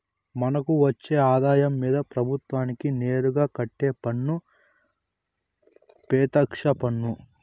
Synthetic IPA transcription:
mɐnɐkuʋɐt͡ʃːe̞ːaːd̪aːjɐmːiːd̪ɐpɾɐbʱut̪ʋaːnikine̞ːɾuɡaːkɐʈːe̞ːpɐɳːu | pɛːt̪ɐkʂɐpɐɳːu

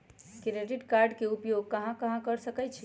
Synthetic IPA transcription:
kɾeɖiʈkaɾɖkeupjoɡ̚kəɦãkəɦãkəɾsəkɛjt͡ʃʰi

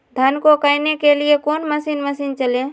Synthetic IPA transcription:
d̪ʱənkokaːinekeliekoːnməsiːnməsiːnt͡ʃəlẽː

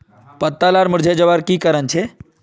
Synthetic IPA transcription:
pət̪ːalaɾmʊɾd͡ʒʱed͡ʒəʋaɾkiːkəɾənt͡ʃʰe

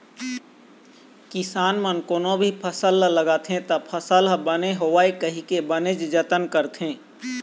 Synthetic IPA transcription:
kɪsaːnmənkoːnõbʱipʰəsəlləɡaːt̪ɦẽt̪əpʰəsəlbəneɦoʋaːekəɦikebəned͡ʒd͡ʒət̪ənkəɾt̪ɦẽː

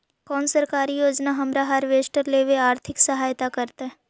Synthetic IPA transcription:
kɔːnsɐɾkaːɾijoːd͡ʒnaɦɐmɾaɦaɾʋeːsʈəɾleːʋeaːɾt̪ʰɪksɐɦaːjt̪akɐɾt̪eɦɛ

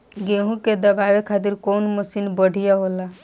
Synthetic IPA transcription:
ɡeɦũked̪əbabekʰat̪̬iɾkonməsinbəɽ̤ʱijaɦola

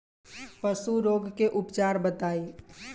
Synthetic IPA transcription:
pəsuɾoːɡkeʔʊpt͡ʃaːɾbət̪aːi

